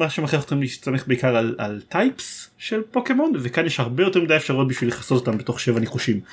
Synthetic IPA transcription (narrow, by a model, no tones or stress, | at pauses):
maʃemaχeχot̪χimlit͡sameχbeikaʁala̰ltajpsʃelpo̞ke̞mo̞nvekanjeʃhaʁbe̞jo̞te̞midajefʃaʁot̚biʃvileχaso̞tot̪ambet̪o̞χʃe̞vaneχuʃim